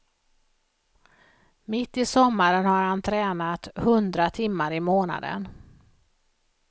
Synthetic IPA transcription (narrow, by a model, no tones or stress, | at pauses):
mɪt̪ːɪsɔmːaɾənhaɾhant̪ʰɾɛːnat̪hɵnd̪ɾat̪ʰɪmːaɾɪmoːna̰d̪ə̰n